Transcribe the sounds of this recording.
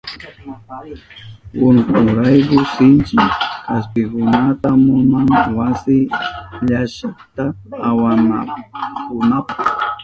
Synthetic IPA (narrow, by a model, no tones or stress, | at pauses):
wʊnkʊɾajkʊsɪnt͡ʃɪaspɪkʊnat̪amʊnaŋwasɪʎaʃat̪aːwanakʊnapḁχ